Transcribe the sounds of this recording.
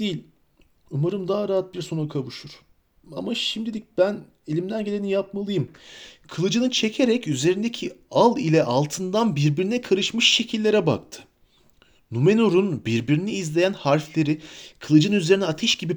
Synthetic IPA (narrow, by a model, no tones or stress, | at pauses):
d̪ejilʲ | umaɾɯmd̪aːaɾaɦat̪̚biɾso̞nukʰavuʃuɾ̥ | a̰maʃimd̪ilʲic̚b̥æn | e̞lʲimd̪ænɟe̞lʲenijap̚malˠɯjɯmkʰɯlˠɯd͡ʒɯnɯt͡ʃʰe̞cʰe̞ɾɛcyze̞ɾind̪ecʰialˠilʲɛʔalˠt̪ʰɯnd̪anbiɾbiɾinɛkʰaɾɯʃmɯʃːe̞cʰilʲːe̞ɾɛba̰k̚t̪ʰɯ̥ | nume̞noɾunbiɾbiɾiniːzlʲe̞jænhaɾflʲe̞ɾikʰɯlˠɯd͡ʒɯnyze̞ɾinɛat̪ʰɛʃɟibi